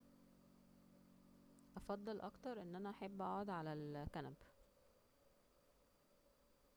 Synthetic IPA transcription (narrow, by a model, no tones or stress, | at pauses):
ʔɑfɑd̪ˤːɑlʔɑ̰kt̪ɑɾˤʔenːʔænæʔaħebːʔæʕod̪ʕalælkænæb